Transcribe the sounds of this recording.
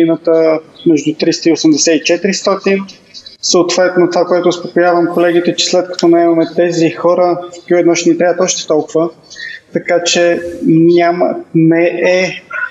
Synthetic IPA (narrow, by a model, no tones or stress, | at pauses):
inət̪əmɛʒd̪ut̪ɾist̪əiosəmd̪ɛsɛit͡ʃɛt̪iɾist̪ɔt̪in | səot̪v̥ɛt̪not̪ovakoɛt̪oːspokʊjavəmkolɛɡ̟it̪ɛt͡ʃɛ̥slɛt̪̚kɐ̥t̪ɔnɐɛmɐmɛt̪ɛzixɔɾəfkkuɛd̪nɔʃnɛt̪ɾʲavət̪ɔʃt̪ɛ̥t̪ɔlˠkʊvə | t̪ɐkat͡ʃɛnʲamə̰nɛʔɛ